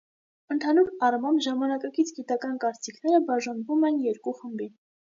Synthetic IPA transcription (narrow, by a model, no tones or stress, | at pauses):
ənt̪ʰɑnuɾɑrmɑnʒɑmɑnɑkɑkit͡sʰɡit̪ɑkɑnkɑɾt͡sikʰnɛɾəbɑʒɑnvumɛnjɛɾkuχəmbin